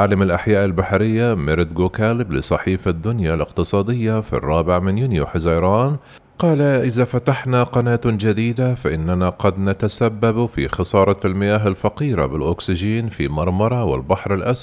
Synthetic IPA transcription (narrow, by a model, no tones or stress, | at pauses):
ʕaːlamalʔaħjaːʔɪlbaħɾɪjːamɪɾd̪ɡoːkaːlɪblɪsˤɑħiːfad̪ːʊnjalʔɪqt̪ɨsˤɑːd̪ɪjːafḭrˤːɑːbɪʕmɪnjunjṵħɪzaːɾˤɑːn | qɑːlaʔɪðafat̪aħnaqɑnaːt̪d͡ʒad̪iːd̪afaʔɪnːanaqɑd̪nat̪asabːabfḭxɑsˤɑːɾˤɑlmɪjaːɦalfaqiːɾa̰bɪlʔʊksɪʒiːnfimɑɾˤmɑɾˤɑwɪ̰lbaħɾalʔas